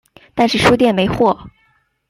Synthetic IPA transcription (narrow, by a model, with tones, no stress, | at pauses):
t̪a˥˧nʂɻ̩˥˩ʂu˥t̪̬jɛ˥˩nme˧˥ɪxwɔ˥˩